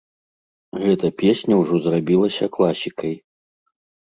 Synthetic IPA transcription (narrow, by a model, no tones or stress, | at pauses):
ɣɛt̪ɐpʲesʲnʲɐwʐɔzrabʲilˠɐsʲɐklˠasʲikɐj